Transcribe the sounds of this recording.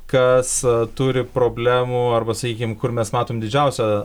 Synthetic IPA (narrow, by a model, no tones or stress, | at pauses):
kɐst̪ʊɾʲɪpɾoːbʲlʲæːmuːɐrbɐsɐkʲiːkʲɪmkʊrmʲɛsmɑːt̪oːmd̪ʲɪd͡ʒʲɛʊsʲɛ